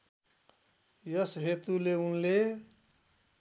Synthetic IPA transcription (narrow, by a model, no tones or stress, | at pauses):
jʌsɦet̪uleunle